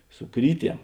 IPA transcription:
sʊ ˈkrʲiːˌtʲiɛm

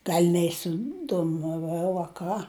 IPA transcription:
ˈɡɐlʲ nʲɛɪsʲɪdoːmɐˈʋɐʊ ɐ ˈkɑː

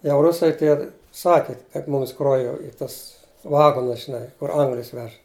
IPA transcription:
jɛʊ ˈrʊsɐɪ ˈtʲiɛ ˈsɑːkʲɪ kɐt ˈmʊms ˈkroː jɛʊ ɪ ˈtɐs ˈʋɑːɡoːnʊs ʒʲɪˈnɐɪ kʊr ˈɐŋɡlʲɪs ˈʋʲɛʃ

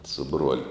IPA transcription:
sʊ ˈbruɔlʲʊ

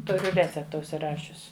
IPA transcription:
ˈtʊrʲʊ ˈrʲæːt͡sʲɛptɐ ʊʃʲsʲɪˈrɑːʃʲʊs

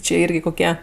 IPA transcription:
t͡ʃʲeː ˈɪrʲɡʲɪ koːˈkʲiɛ

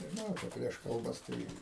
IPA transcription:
nʲɛʒʲɪˈnɐʊ ˈt͡ʃʲɛ ˈpʲrʲiɛʃ kɐlˠˈbɐs ˈtɐɪ

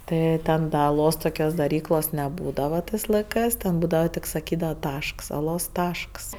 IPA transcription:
ˈtɜ tʲɛn dɐ ɐˈlˠoːs toːˈkʲoːs dɐˈrʲiːklˠoːs nʲɛˈbuːdɐʋɐ ˈtɜs lˠɐɪˈkˈɜs ˈtʲɛn ˈbuːdɐʋɐ ˈtʲɪk sɐˈkʲiːdɐʋɐ ˈtɐʃks ɐˈlˠoːs ˈtɐʃks

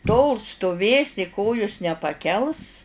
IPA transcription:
toːlˠ stʊˈʋʲeːsʲɪ ˈkoːjʊs nʲɛpɐˈkʲɛlˠs

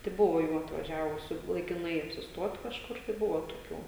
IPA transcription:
tɐɪ ˈbʊʋoː ˈjuː ɐtʋɐˈʒʲæːʋʊsʲʊ lˠɐɪkʲɪˈnɐɪ ɐpʲsʲɪsˈtuɔt kɐʃˈkʊr tɐɪ ˈbʊʋoː toːˈkʲuː

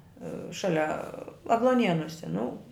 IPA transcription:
ˈʃɑːlʲɛ ɐɡlˠuɔˈnʲiɛnuɔsʲɛ nʊ

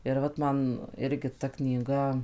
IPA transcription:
ɪr ˈʋɐt mɐn ˈɪrʲɡʲɪ tɐ knʲiːˈɡɐ

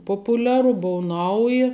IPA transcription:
ˈpoːpʊˌlʲæːrʊ ˈbʊʊ ˈnɐʊjɪ

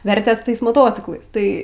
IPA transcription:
ˈʋʲɛrʲtʲeːs ˈtɐɪs moːˈtoːt͡sʲɪklˠɐɪs ˈtɐɪ

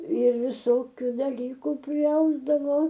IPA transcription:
ɪr ʋʲɪˈsoːkʲʊ dɐˈlʲiːkʊ pʲrʲɪˈɐʊzdɐʋoː

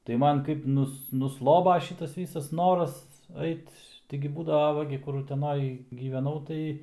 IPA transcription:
tɐɪ ˈmɐn kɐɪp ˈnʊs nʊˈslˠoːbɐ ˈʃʲiːtɐs ˈʋʲiːsɐs ˈnoːrɐs ˈɐɪt tɐɪɡʲɪ ˈbuːdɐʋɐ ˈʋɐ ɡʲɪ ˈkʊr ʊtʲɛˈnoːj ɡʲiːʋʲɛˈnɐʊ tɐɪ

